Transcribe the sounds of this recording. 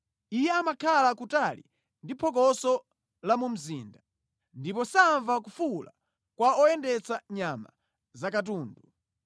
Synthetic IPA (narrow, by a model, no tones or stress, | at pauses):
ijɛamakʰalakutalḭ | ndipʰɔk̬ɔsɔ | lamum̩ziːnda | ndipɔsaːɱvakufula̰ | kwaɔɛndɛt͡saɲama̰ | zakat̬uːndu